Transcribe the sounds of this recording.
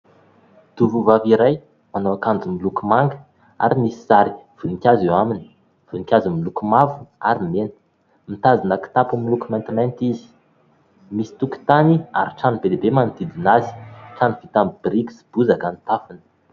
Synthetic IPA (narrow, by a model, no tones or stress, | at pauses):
d̪̥uvuvaviɾaj | manowakand͡zumilukumaŋɡə | a̰ɾimisi̥zaɾi̥v̥uniŋkʲazewamini̥ | v̥unikʲazimilukumavua̰ɾimenə̥ | mit̪azinaki̥t̪apumilukumɛnt̪imɛnt̪izi̥ | misi̥t̪uki̥t̪ania̰ɾiʈ͡ʂanibelebemanid̪id̪inazi̥ʈ͡ʂanivit̪ambbɾiksb̥uzakanit̪afunə̥